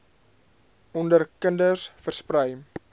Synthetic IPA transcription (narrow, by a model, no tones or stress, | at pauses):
ɔndərkəndərsfərsprəj